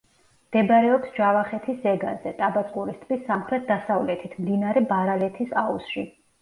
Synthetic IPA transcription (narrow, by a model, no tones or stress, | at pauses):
md̪̥ɛbaɾɛɔpsd͡ʒavaχɛt̪ʰisɛɡa̰zɛt̪ʼabat̪ʼkʼuɾist̪ʼʰbisːamχɾɛt̪̚ʰd̪asavlɛt̪ʰit̪ʰmd̪inaɾɛbaɾalɛt̪ʰisausʃi